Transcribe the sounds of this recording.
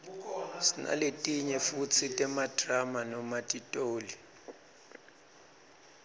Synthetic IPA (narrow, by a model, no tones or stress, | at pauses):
sina̰letʼiɲɛfut͡sʰitʼɛmad̥ʱramanɔmatʼitʼoːli